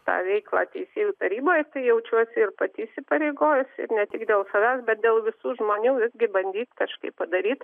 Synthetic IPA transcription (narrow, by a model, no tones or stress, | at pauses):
t̪ɑ̰ːʋʲɛɪklˠɑ̰ːt̪ʲɛɪsʲeːjuːt̪ɐɾʲiːboːjt̪ɐɪjɛʊt͡ʃʲuɔsʲɪɪrpɐt̪ʲɪɪsʲɪpɐɾʲɛɪɡoːjʊsɪ̰rnʲɛt̪ʲɪkd̪ʲeːlˠsɐʋʲæːsbʲɛt̪̚d̪ʲeːlˠʋʲɪsuːʒmoːnʲuːʋʲɪzʲɡʲɪbɐnʲd̪ʲiːt̪kɐʃkɐɪppːɐd̪ɐɾʲiːt̪